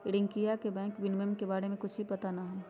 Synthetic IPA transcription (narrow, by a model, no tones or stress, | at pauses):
ɪɽɪ̃ŋkijakebɛ̃ːŋkʋɪnmemkebaːɾemẽkʊt͡ʃʰbipɐt̪anɐɦɛ